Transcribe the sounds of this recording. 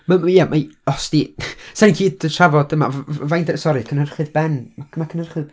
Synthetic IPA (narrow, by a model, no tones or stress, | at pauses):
mamjamʔaɔsd̥isɛninkʰiːdətʰravɔdəma̰vvajndsɔɾɨkʰənhərχɨðbɛnmakʰmakʰənərχɨð